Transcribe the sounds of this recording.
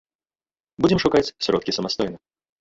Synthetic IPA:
bud͡zʲɪmʂʊkat͡sʲsʲɾɔt̪kʲisəmast̪ɔjnɨ

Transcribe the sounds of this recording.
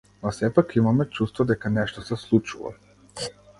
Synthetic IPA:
nɔfsɛpakimamɛt͡ʃust̪vɔd̪ɛkanɛʃt̪ɔsɛslˠut͡ʃṵva̰

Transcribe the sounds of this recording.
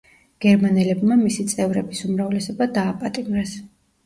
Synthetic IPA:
ɡ̥ɛɾmanɛlɛbmamisit̪sʼɛvɾɛbisumɾavlɛsɔbad̪aːpʼat̪ʼimɾɛs

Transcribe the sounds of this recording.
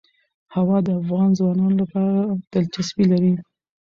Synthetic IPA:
hawɑd̪əafɣɑnzwɑnɑnolapɑɾad̪̥alt͡ʃasbilaɾi

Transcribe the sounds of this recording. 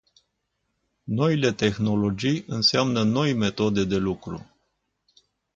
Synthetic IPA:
no̞ile̞t̪e̞xno̞lo̞d͡ʒijɨnseamnəno̞jme̞t̪o̞d̪e̞d̪e̞lukɾṵ

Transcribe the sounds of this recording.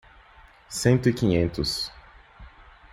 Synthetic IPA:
sẽnt̪ʊikĩɲẽnt̪ʊs

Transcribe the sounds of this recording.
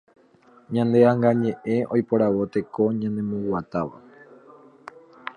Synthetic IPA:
ɲãnd̪e̞aŋɡaɲẽ̞ʔe̞o̞jpo̞ɾaʋo̞t̪e̞ko̞ɲãnd̪ẽ̞mõwwat̪aʋa̰

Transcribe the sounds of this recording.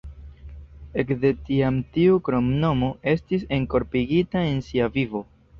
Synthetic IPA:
e̞kde̞tiamtiukɾo̞mno̞mo̞ʔe̞stise̞ŋko̞ɾpiɡitae̞nsiavivo̞

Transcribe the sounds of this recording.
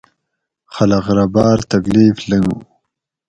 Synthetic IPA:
χalaɣɾabɑːɾt̪akliːfləŋɡ

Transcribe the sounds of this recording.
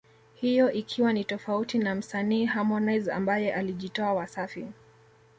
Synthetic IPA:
hijɔʔikʰiwanitɔfautinam̩saniːhamɔnajza̰mbajɛʔaliʄitɔawasafi

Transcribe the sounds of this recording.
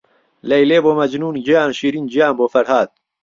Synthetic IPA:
lɐjleːboːmɐd͡ʒnuːnd͡ʒijaːnʃiːɾiːnd͡ʒijaːnboːfɐɾhaːt̪̚

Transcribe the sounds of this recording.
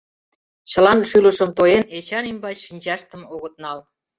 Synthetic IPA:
t͡ɕə̆lɑnʃylə̆ʃə̆mt̪ojenet͡ɕɑnimbɑt͡ɕʃinʲt͡ɕɑʃt̪ə̆moɣət̪̚nɑl

